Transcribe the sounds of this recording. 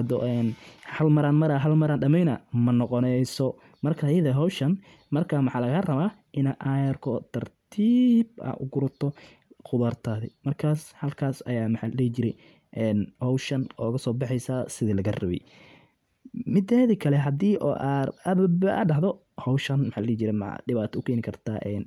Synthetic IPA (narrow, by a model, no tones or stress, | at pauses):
ɐd̪ɔ̰ʔɛːnhɐlmɐɾanmɐɾaɦɐlmɐɾanɖɐmɛjnɐmɐnɔqɔnɛjsɔ | mɐrkʰajɐðɐɦɔwʃɐn | mɐrkʰaːmɑħɑːlɐɣɐrɐβaː | ʔɪnaʔaːjɐrkʰɔt̪ʰɐrt̪ʰiːbɐ̰ʊ̰ɡʊɾʊt̪ʰɔ | qʊðart̪ʰaːðimɐrkʰaːshɐlkʰaːsɐjaːmħallɛːt͡ʃɪɾɛj | ʔɛːnhɔwʃɐnɔːɣɐsɔːbɑħɛjsasɪðilɐɣɐrɐβɛ̰j | mɪd̪ɛːðikʰɐlɛɦɐd̪iːʔɔ̰ʔaɾɐβɐbɐa̰ɖɐɦðɔ | hɔwʃɐnmħalɛt͡ʃɪɾɛma̰ɖɪβaːt̪ʰɔʊkʰɛːnɪkʰɐrt̪ʰa̰ːʔɛːn